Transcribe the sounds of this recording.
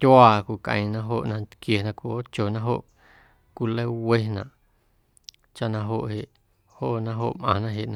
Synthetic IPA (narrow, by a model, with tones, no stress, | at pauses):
t̪ʲjwaː˧˨kʷu˨kʔə̰̃˧˨j̃nã˧ɦo˧˨ʔnã˧t̪kje˨nã˧kʷi˨o˦t͡ʃo˨nã˦ɦo˦ʔ | kʷi˧˨le˦we˦nã̰˨ʔ | t͡ʃa˦ʔnã˧ɦo˧ʔhe˨ʔ | ho˦ʔnã˦ɦo̰˧˨ʔmʔã̰˨nã˦ɦe˨ʔnã˧